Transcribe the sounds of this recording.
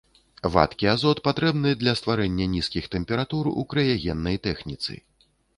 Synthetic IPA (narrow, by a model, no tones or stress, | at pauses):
va̰t̪kʲiazɔt̪pat̪ɾɛbnɨd̪lʲɐst̪vaɾɛnʲːɐnʲiskʲixt̪ɛmpʲɛɾat̪urṵkɾɐjaɣʲɛnːɐjt̪ɛxnʲit̪sɨ̰